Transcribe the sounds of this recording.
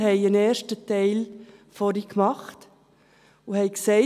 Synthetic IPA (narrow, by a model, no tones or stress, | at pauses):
hɛɪəneːɾʃtətɛɪlfɔɾikmɑχt | uhɛɪksɛɪ